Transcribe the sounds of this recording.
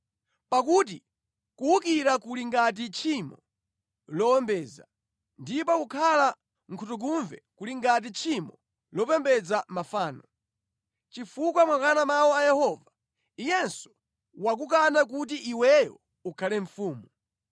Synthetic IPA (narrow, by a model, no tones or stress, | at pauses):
pakut̬i | kuukiɾakuliŋɡat̬it͡ʃʰimɔ | lɔwɛmbɛːza | ndipɔukʰala | ŋ̩kʰutuɡ̬uɱvɛkuliŋɡat̬it͡ʃʰimɔ | lɔpɛmbɛd͡zamafaːnɔ | t͡ʃifukwamwakanamawɔajɛhɔːva | ijɛnsɔ̥ | wak̬uk̬anak̬ut̬iʔːwɛjɔ̰ | ukʰalɛɱfuːmu